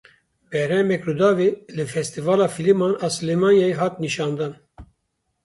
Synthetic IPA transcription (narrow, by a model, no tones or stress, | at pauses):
bɛɾhɛmɛkrud̪ɑːvelɨfɛst̪ivɑːlɑːfilimɑːnɑːsɨlemɑːnjaɦɑːt̪niʃɑːnd̪ɑːn